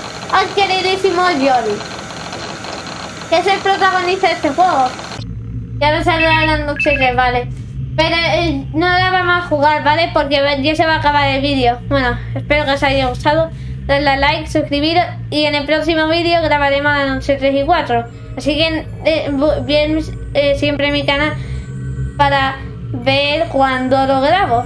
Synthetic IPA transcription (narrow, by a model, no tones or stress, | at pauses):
ajke̞ɾiðisimoʝoði | kese̞lpɾo̞t̪aɣ̞o̞nist̪aðe̞st̪exwe̞ɣo | kanos̬aβɾalanot͡ʃet̪ɾeβale | pe̞ɾonolaβamaxuɣaɾβale̞po̞ɾkeβeʝase̞β̞aːkaβaɾe̞lβiðjo̞bwe̞noespe̞ɾokeosajaɣ̞ust̪aðo | d̪ezlalajksuskɾiβiɾo | iene̞lpɾo̞ksimo̞β̞iðjo̞ɣɾaβaɾe̞mosalanot͡ʃe̞t̪ɾesikwat̪ɾo | asike̞ | ebjen | esje̞mpɾemikana | paɾa | βe̞ɾkwand̪o̞lo̞ɣɾaβo̞